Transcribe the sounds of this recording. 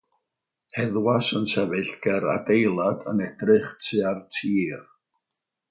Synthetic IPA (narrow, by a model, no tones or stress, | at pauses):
hɛðwasənsɛvɨɬɡ̥ɛɾa̰dejlˠadə̰nɛdrɨχtʰɨartʰiːr